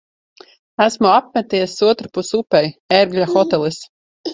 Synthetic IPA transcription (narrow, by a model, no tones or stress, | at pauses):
æsmuap̚mʲɛt̪iɛsuɔt̪ɾapusupɛjɛɾɡlʎʲaxɔt̪ɛlˠis